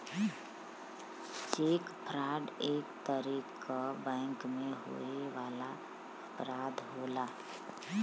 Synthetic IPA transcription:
t͡ʃeːkpʰɾaːɖeːkt̪əɾiːkʰ | abɛ̃ːŋkmẽɦo̰eʋaːla | əpɾaːd̪ɦoːlaː

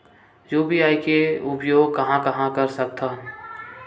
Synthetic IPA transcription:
juːbiaːikeʊpjoːɡ̚kɐɦãkɐɦãkɐɾsək̚t̪ʰan

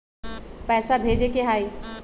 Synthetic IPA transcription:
pɛːsabʱeːd͡ʒekeɦaːiː

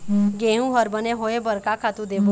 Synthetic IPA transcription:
ɡeːɦũɦəɾbəneɦoːebəɾkakʰat̪ũd̪eːo

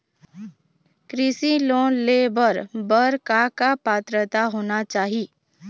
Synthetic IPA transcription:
kɾɪsiloːnleːbəɾbəɾkakapaːt̪ɾət̪aɦoːnat͡ʃaːɦi

